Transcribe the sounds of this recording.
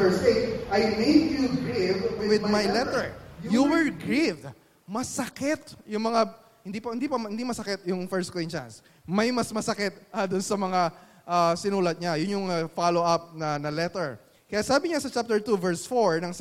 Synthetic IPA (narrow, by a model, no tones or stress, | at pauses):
əɹst̪etʔajmeɪdjuɡɹɪvwɪwɪd̪majlɛt̪ɹjuwɛɹɡɹɪvd̪ | mɐsɐkɪt̪jʊŋmɐŋa | hɪnd̪ipɐhɪnd̪ipɐmhɪnd̪imɐsɐkɛt̪̚jʊŋfɛɹst̪kĩnt͡ʃa̰ns | mɐjmɐsmɐsɐkɪt̪̚ʔɐd̪ʊnsɐmɐŋa | ʔasɪnuːlɐt̪̚ɲajʊnjʊŋafaloɐp̚nɐnɐlɛt̪ɛɹ | kɐjasaːbɪɲasɐt͡ʃap̚t̪ɛɹt̪uvɛɹsfoɹnɐŋs